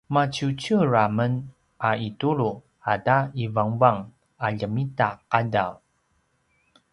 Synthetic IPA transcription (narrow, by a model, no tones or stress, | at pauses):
mat͡ɕut͡ɕuɹamən | aituɾu | ataivaŋvaŋ | aʎəmitaqadaw